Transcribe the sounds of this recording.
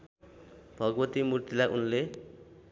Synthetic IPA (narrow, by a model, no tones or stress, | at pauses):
b̥ʱʌɡbʌt̪imurt̪ilaʔunle